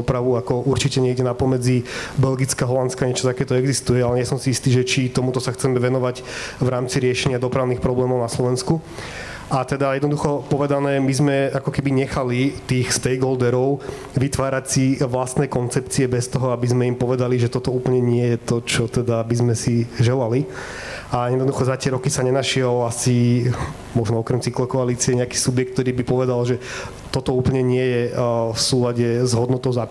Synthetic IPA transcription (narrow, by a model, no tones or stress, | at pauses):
ɔpɾaʋuakɔʔuɾt͡ʃicɛɲɛɟɛnapɔmɛd͡zibɛlɡit͡skaɦɔlant̪t͡skaɲɛt͡ʃɔ̥t̪akɛːt̪ɔɛɡzist̪ujɛalɛɲɪɛsɔmsiist̪iːʒɛt͡ʃit̪ɔmut̪ɔsaxt͡sɛmɛʋɛnɔʋaɟ | ʋɾaːmt͡siɾɪɛʃɛɲɪad̪ɔpɾaʊnixpɾɔblɛːmɔʊnaslɔʋɛnsku | at̪ɛd̪ajɛd̪nɔd̪uxɔpɔʋɛd̪anɛːmizmɛakɔkɛbiɲɛxalit̪iːxst̪ɛjɡɔld̪ɛɾɔʊ | ʋit̪ʋaːɾacsiʋlast̪nɛːkɔnt͡sɛp̚t͡siɛbɛst̪ɔɦɔabizmɛimpɔʋɛd̪aliʒɛt̪ɔt̪ɔuːplɲɛɲɪɛjɛt̪ɔt͡ʃɔt̪ɛd̪abizmɛsiʒɛlali | ajɛd̪nɔd̪uxɔzacɪɛɾɔkisaɲɛnaʃɪɛlasi | mɔʒnɔɔkɾɛmt͡siklɔkɔaliːt͡siɛɲɛakiːsubjɛkt̪t̪ɔɾiːbipɔʋɛd̪alʒɛ | t̪ɔt̪ɔuːpl̩ɲɛɲɪɛjɛfsuːlaɟɛzɦɔd̪nɔt̪ɔʊza